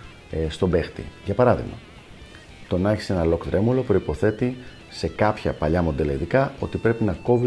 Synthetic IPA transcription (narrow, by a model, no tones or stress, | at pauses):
st̪o̞be̞xt̪ḭʝɐpɐɾɐðḭɣmɐ̰ | t̪o̞nɐçi̥se̞nɐlo̞kt̪ɾe̞mulo̞pɾo̞ipo̞θe̞t̪i | se̞kɐpçɐ̰pɐʎɐmo̞d̪e̞lɐiðikɐo̞̰t̪ipɾe̞pinɐko̞vi